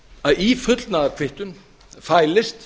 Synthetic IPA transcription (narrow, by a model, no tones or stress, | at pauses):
aðifʏt̪lnaːðaɾkʰvɪht̪ʏn | faːjlɪst̪